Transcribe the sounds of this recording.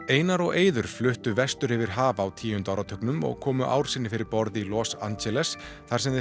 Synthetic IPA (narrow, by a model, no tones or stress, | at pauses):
eːjnaɾɔɣeːjðʏɾ̥flʏht̪ʏvɛst̪ʏɾɪvɪɾ̥ɦaːvaːwt̪ʰiːʏnt̪aːwɾat̪ʰœknʏmɔ̰ɣkʰɔːmʏʔa̰ːwɾ̥sɪnːɪfɪɾɪɾpɔɾðilɔːsa̰nt͡ɕɛlɛs | θaɾs̬ɛmðɪ